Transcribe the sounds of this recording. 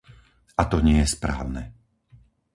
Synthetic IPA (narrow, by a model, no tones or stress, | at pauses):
at̪ɔɲɪɛjɛspɾa̰ːʊnɛ